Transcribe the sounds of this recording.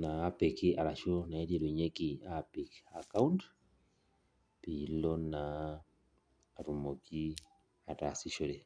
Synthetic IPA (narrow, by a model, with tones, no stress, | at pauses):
naː˦pɛki˦a˨ɾaʃona˨˦ɾe˨ɾu˨ɲe˦kiapi˨ka˨ka˦unt | pilɔ˦na | ɾumoki˦ | a˨ta˨siʃɔ˦ɾɛ˨